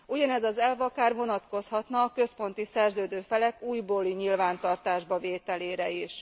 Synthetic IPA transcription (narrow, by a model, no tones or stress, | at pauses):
uɟɒnɛzɒzɛlvɒkaːrvo̞nɒt̪ko̞shɒt̪nɒːkø̞spo̞n̪t̪isɛrzøːd̪øːfɛlɛkuːjboːliɲilvaːnt̪ɒrt̪aːʒbɒveːt̪ɛleːɾɛiʃ